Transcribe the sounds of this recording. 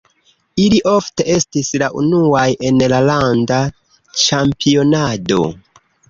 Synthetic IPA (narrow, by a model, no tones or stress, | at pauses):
iliʔo̞fte̞ʔe̞stislaʔṵnuaje̞nlalanda | t͡ʃampio̞nado̞̰